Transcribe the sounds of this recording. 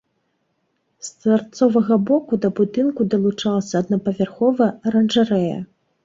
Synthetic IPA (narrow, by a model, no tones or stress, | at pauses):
st̪vɐrt̪sɔvɐɣɐbɔkud̪ɐbud̪ɨnkud̪ɐlˠut͡ʂalˠɐsʲɐːd̪nɐpɐvʲarxɔvɐɾɐnʐaɾɛjɐ̰